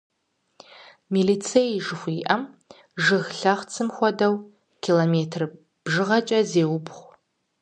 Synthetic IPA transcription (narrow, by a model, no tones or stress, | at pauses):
miːliːt͡sʰejʒɨxʷiːʔɐm | ʒɨɣɬɐχʷt͡sʰɨmχʷɔdɐw | kʲʰiːloːmeːtʰr | b̥ʒɨʁɐt͡ʃʼɐzeːwʊpχʷ